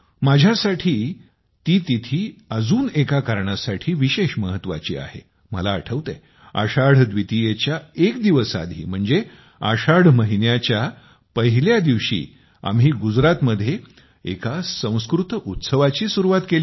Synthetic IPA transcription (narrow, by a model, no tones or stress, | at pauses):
mad͡ʑʱjasaʈʰiː | t̪iːt̪it̪ʰiːəd͡zuːnekakaɾɳasaʈʰiːʋiɕeɕməɦət̪ːʋa̰t͡ɕḭːa̰hḛ | mə̰laːʈʰəʋt̪e | a̰ɕaɽ̤d̪ʋit̪ijet͡ɕjaekd̪iʋəsa̰d̪ʱḭːm̤əɳd͡ze | a̰ɕaɽ̤məɦinjat͡ɕja | pəɦiljad̪iʋɕḭː | a̰mɦiːɡud͡zɾat̪məd̪ʱːje | ḛkasə̃w̃skɾut̪ut̪səʋat͡ɕiːsuɾuʋat̪keli